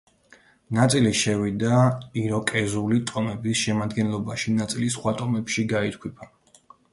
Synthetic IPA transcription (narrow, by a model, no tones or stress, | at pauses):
nat̪sʼiliʃɛvid̪aiɾɔkʼɛzulit̪ʼɔmɛbisʃɛmad̪ɡɛnlˠɔbaʃinat̪sʼilisχwat̪ʼɔmɛpʃiɡait̪ʰkʰwipʰa